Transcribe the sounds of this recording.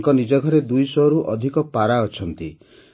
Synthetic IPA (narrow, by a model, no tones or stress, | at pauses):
kɔnid͡ʒɔɡʱɔɾed̪ujsɔɾuʔɔd̪ʱikɔpaɾaɔt͡ʃʰɔnt̪i